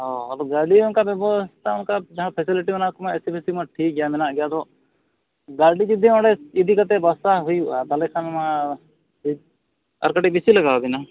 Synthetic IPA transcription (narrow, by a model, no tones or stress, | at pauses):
ɦoalɡaɖiʊnkabɛbɔst̪aʊnkad͡ʒaɦãpʰɛsiliʈimɛnakumaɛsipʰesimãʈʰiːk̚ɡɛjamɛnaʔɡɛjad̪ɔ | ɡaɾɖid͡ʒud̪ʱiɔ̃ɽɛid̪ʱikat̪ɛbasaɦujuʔat̪alɛkʰanma | ɐ̰ɾkəʈik̚bisiləɡabina